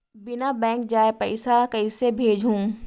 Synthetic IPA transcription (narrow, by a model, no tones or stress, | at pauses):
bɪnabɛ̃ːŋk̚d͡ʒaːepɛɪsakɐɪsebʱeːd͡ʒɦũː